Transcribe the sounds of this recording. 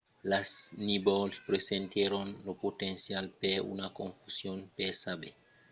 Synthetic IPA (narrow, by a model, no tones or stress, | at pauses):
lasnibɔlspɾesent̪jeɾonlopotensjalpeṵnakoɱfusjonpesabe